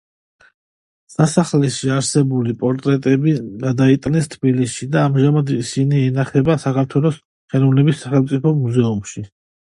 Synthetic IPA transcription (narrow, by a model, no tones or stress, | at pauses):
sasaχlɛʃiaɾsɛbulipʼɔɾt̪ʼɾɛt̪ʼɛbiɡad̪ait̪ʼnɛst̪ʰbilisʃid̪aːmʒamad̪isiniɛnaχɛbasakaɾt̪ʰwɛlˠɔs | χɛnɔvnɛbisːaχɛlmt̪sʼipʰɔmuzɛumʃi